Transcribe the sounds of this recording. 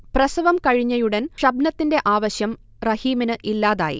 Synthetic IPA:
prɐsɐʋɐmkɐɻiɲːɐjuɽɐnʂɐbnɐt̪ːinde̞ʔaːʋɐɕjɐm | rɐhiːminɨʔilːaːðaːjḭ

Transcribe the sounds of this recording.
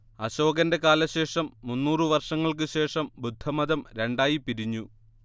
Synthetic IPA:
ɐɕo̞ːɡɐnde̞kaːlɐɕe̞ːʂɐmːunːuːrɨʋɐrʂɐŋːɐɭkɨɕe̞ːʂɐmbud̪ʱːɐmɐðɐmɾe̞ɳɖaːjipiɾiɲːu

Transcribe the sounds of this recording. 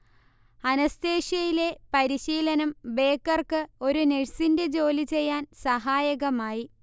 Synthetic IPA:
ɐnɐst̪e̞ːɕɐjile̞pɐɾiɕiːlɐnɐmbe̞ːkːɐrkɨo̞ɾuneɻsinded͡ʑo̞ːlit͡ɕe̞jːaːnsɐɦaːjɐɣɐmaːji

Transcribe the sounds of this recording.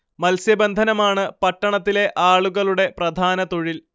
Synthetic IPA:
mɐlsjɐbɐnd̪ʱɐnɐmaːɳɨpɐʈːɐɳɐt̪ːile̞ʔaːɭuɣɐɭuɽe̞prɐd̪ʱaːnɐt̪o̞ɻil

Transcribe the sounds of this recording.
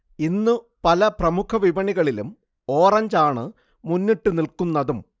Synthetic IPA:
inːɨ | pɐlɐprɐmukʰɐʋiʋɐɳiɣɐɭilum | o̞ːrɐɲd͡ʑaːɳɨ | munːiʈːɨnilkunːɐðum

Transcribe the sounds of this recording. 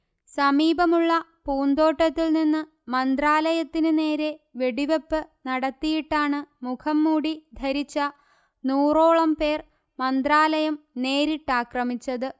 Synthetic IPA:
sɐmiːbɐmuɭːɐpuːnd̪o̞ːʈːɐt̪ːilninːɨ | mɐnd̪raːlɐjɐt̪ːinɨne̞ːɾeʋe̞ɽiʋepːɨnɐɽɐt̪ːijiʈːaːɳɨmukʰɐmːuːɽid̪ʱɐɾit͡ɕːɐ | nuːro̞ːɭɐmpe̞ːr | mɐnd̪raːlɐjɐmne̞ːɾiʈːaːkrɐmit͡ɕːɐðɨ

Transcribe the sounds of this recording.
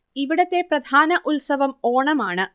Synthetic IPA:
iʋiɽɐt̪ːe̞prɐd̪ʱaːnɐʔulsɐʋɐmoːɳɐmaːɳɨ

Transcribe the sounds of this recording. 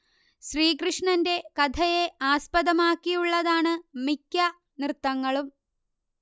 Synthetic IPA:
ɕriːkrɨʂɳɐnde̞kɐd̪ʱʰɐje̞ʔaːspɐðɐmaːkːijuɭːɐðaːɳɨmikʲːɐ | nrɨt̪ːɐŋːɐɭum

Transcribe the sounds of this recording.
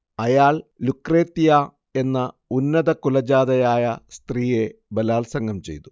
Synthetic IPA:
ɐjaːɭlukːreːt̪ːijaː | e̞nːɐ | unːɐðɐkulɐd͡ʑaːðɐjaːjɐst̪riːje̞bɐlaːlsɐŋɡɐmt͡ɕe̞̰jt̪u̥

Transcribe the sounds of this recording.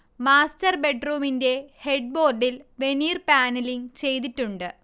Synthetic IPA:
maːstɐrbe̞ɖruːminde̞he̞ɖ̚bo̞ːrɖilʋe̞niːrpaːnɐliŋt͡ɕe̞jt̪itːuɳɖɨ

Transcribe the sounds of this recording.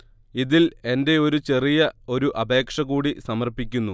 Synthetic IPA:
iðile̞nde̞o̞ɾut͡ɕe̞rijɐo̞ɾuʔɐbe̞ːkʂɐɣuːɽisɐmɐrpikʲːunːu

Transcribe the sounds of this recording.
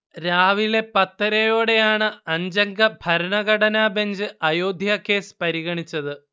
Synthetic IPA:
ɾaːʋile̞pɐt̪ːɐɾɐjo̞ːɽe̞jaːɳɨɐɲd͡ʑɐŋɡɐbʱɐɾɐɳɐɣɐɽɐnaːbeɲd͡ʑɨʔɐjo̞ːd̪ʱjaːke̞ːspɐɾiɣɐɳit͡ɕːɐðɨ

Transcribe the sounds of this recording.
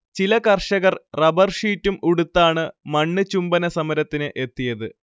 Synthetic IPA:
t͡ɕilɐkɐrʂɐɣɐrrɐbɐrʂiːtːumuɽut̪ːaːɳɨmɐɳːɨt͡ɕumbɐnɐsɐmɐɾɐt̪ːinɨʔe̞t̪ːijɐðɨ

